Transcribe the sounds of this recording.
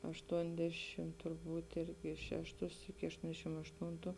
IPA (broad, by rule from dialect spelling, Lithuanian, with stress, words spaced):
ɐʃˈtuɔnʲdʲɛʃʲɪm tʊrˈbuːt ˈɪrʲɡʲɪ ˈʃʲæːʃˌtʊs ɪkʲɪ ɐʃˈtoːnʲdʲɛʃʲɪm ɐʃˈtuːntʊ